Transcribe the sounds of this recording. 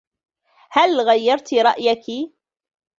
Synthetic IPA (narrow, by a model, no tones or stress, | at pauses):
halɣajːɑɾˤt̪ɾˤɑʔjaki